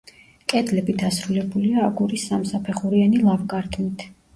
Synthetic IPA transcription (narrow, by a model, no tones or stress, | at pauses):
kʼɛd̪lɛbid̪asɾulɛbuliaːɡuɾisːamsapʰɛχuɾianilˠavkʼaɾt̪ʰmit̪ʰ